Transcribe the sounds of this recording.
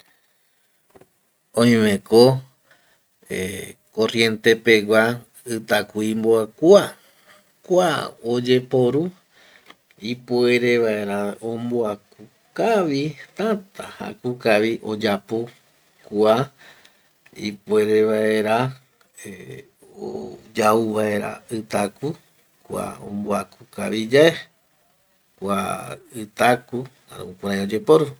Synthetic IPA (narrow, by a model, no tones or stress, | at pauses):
õj̃mẽ̞ko | eko̞rje̞nt̪e̞pe̞wa | ɨt̪akuimboakua | kʷaod͡ʒe̞po̞ɾu | ipue̞ɾe̞ʋae̞ɾaomboaku | kaʋit̪ãt̪aha̰kukaʋiʔo̞d͡ʒapo̞ | kua | ḭpoe̞ɾe̞βae̞ɾa | e | o̰d͡ʒauβae̞ɾa̰ɨt̪aku | kʷa̰õ̰mboakuka̰ʋid͡ʒae | kʷa̰ɨt̪aku | a̰ɾ̰upoɾajaod͡ʒe̞po̞ɾu